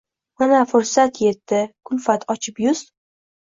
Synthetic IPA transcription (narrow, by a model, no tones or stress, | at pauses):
manafʊɾsat̪je̞t̪ːɪkʰʊlfat̪ʰɒt͡ʃʰɪpjʊz̥